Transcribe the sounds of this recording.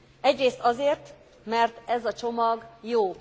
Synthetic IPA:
ɛɟreːst̪ɒzeːrt̪ | mɛrt̪ɛzɒt͡ʃo̞mɒɡjoː

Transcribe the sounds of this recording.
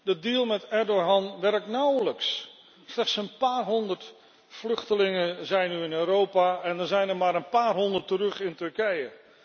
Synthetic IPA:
dədilˠmɛtɛɹdoɦɑnʋɛɹk̚tnawləks | slɛχtsənpaːrɦɔndəɹt | flɵχtəlɪŋəzɛjnyɪnøːɾowpaːɛndənzɛjnəɹmaːɾənpaːrɦɔndəɹtərɵχɪntɵɹkɛjə

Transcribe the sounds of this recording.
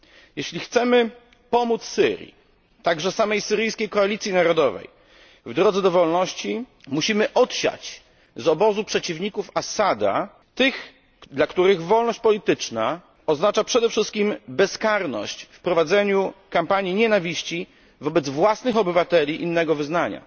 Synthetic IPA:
jeɕlʲixt̪sɛmɘ | pɔmut̪ssɘ̰ɾʲjḭ | t̪aɡʐɛsamɛjsɘɾɘjskʲejkɔalʲit̪sʲjinaɾɔd̪ɔvɛ̰j | vd̪ɾɔd̪zɛd̪ɔvɔlnɔɕt͡ɕi | muɕimɘʔɔt̪ɕa̰t͡ɕ | zɔbɔzupʂɛt͡ɕivɲikufasad̪a̰ | t̪ɘx | d̪lakt̪uɾɘɣvɔlnɔɕt͡ɕ̚pɔlʲit̪ɘt͡ʂna | ɔznat͡ʂapʂɛd̪ɛfʂɘst̪kʲimbɛskaɾnɔ̰ɕt͡ɕfpɾɔvad̪zɛɲukampaɲiɲɛnavʲiɕt͡ɕi | vɔbɛd̪zvwasnɘxɔbɘvat̪ɛlʲiʔinːɛɡɔvɘznaɲa̰

